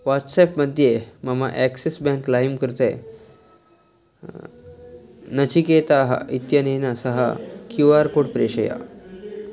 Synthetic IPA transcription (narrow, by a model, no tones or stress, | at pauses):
ʋaʈsɛpməd̪ʱjemamaʔɛksesbɛ̃ŋklajmkəɾt̪e | nət͡ɕiket̪aɦa̰it̪janejnasəɦa̰kjuaɾkoɽpɾeɕəja̰